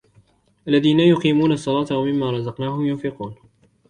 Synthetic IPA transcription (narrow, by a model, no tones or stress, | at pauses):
ʔalːaðiːnajʊqiːmuːnaɑsˤːɑlɑːt̪awamɪmːaːɾˤɑzɑqnaːhʊjʊnfɪquːn